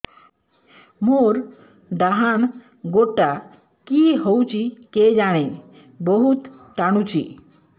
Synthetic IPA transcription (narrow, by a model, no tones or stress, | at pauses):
moɾ | ɖaɦan | ɡoʈːa | kiɦəwt͡ɕiked͡ʑaɽ̃e | bəɦut̪ʈaɽ̃ut͡ɕḭ